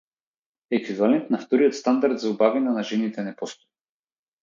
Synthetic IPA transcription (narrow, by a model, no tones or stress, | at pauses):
ɛkivalɛnt̪naft̪ɔɾijɔt̪st̪and̪aɾd̪zaubavinanaʒɛnit̪ɛnɛpɔst̪ɔ̥j